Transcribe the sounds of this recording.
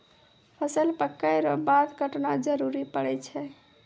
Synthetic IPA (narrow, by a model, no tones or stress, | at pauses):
pʰəsəlpəkːəjɾɔbad̪ɡʱəʈnad͡ʒəɾuɾipəɽɛt͡ʃʰɛ